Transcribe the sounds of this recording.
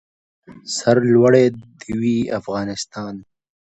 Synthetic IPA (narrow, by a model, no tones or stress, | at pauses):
saɾlwaɽed̪iwiːa̰fɣɑːnɪst̪ɑːn